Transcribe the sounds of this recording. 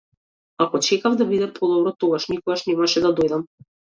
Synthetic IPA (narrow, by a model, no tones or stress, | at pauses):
akɔt͡ʃɛkavd̪abid̪ɛpʰɔd̪ɔbɾɔt̪oɡaʃnikɔɡaʃnɛmaʃɛd̪ad̪ojd̪am